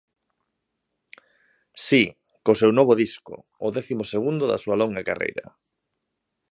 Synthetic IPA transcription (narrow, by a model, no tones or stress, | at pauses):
si | kosewnɔβoðiskʊ̰ | ʊðɛθimoseɣ̞und̪ʊða̰suɐlɔŋɡakarḛjɾɐ̰